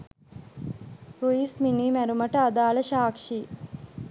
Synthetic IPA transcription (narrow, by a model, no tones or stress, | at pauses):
ɾuiːsminiːmæɾuməʈəad̪aːləʃaːkʂiː